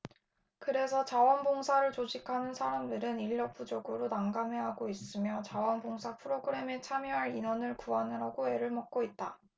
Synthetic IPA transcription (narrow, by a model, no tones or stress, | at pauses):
kɯɾe̞sʰʌt͡ɕawʌnboŋsʰaɾɯɭt͡ɕod͡ʑikʰanɯnsʰaɾamdɯɾɯniʎːʌp͈ʰud͡ʑʌɡɯɾonaŋɡame̞ɦaɡois͈ɯmjʌt͡ɕawʌnboŋsʰapʰɯɾoɡɯɾe̞met͡ɕʰamjʌɦaɾinʌnɯɭkuɦanɯɾaɡoe̞ɾɯɭmʌk̚k͈oit̚t͈a